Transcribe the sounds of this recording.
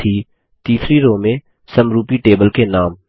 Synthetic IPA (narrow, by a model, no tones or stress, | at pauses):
iː | t̪iːsɾiɾoːmẽ | sɐmɾuːpiʈeːbəlkenaːm